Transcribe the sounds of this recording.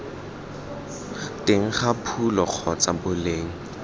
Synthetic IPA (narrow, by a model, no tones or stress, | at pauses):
tʼɪŋ̩χapʰulɔq͡χʰɔt͡sabʊleːŋ̩